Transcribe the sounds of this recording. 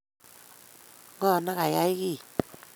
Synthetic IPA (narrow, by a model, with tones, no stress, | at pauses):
ŋɔ˦˨na˦ka˨ja˦i˦ki˦˨